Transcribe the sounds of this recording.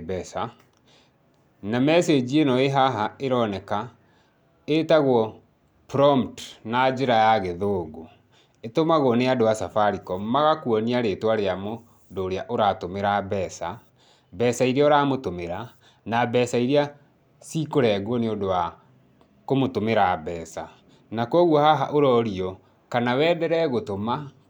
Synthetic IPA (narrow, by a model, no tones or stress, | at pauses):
bɛsa | namɛsed͡ʑienɔeɦaɦaeɾɔnɛka | etaɣwɔ | pɾɔmtnad͡ʒeɾajaɣeðoːɡo | etomaɣwɔneadoasafaɾikɔmaɣakwɔniaɾetwaɾeamo | doːɾeaʔoɾatomeɾabɛsa | bɛsaiɾaoɾamotomeɾa | nabɛsaiɾea | sikoɾɛɡwɔneodowa | komotomeɾabɛːsa | nakɔɣwɔhaɦa̰ʔoɾɔɾiɔ | kanawɛːdɛɾɛɣotoma